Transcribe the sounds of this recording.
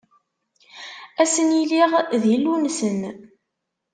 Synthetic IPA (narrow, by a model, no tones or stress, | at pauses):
æsənjiliʁðjəlːunsən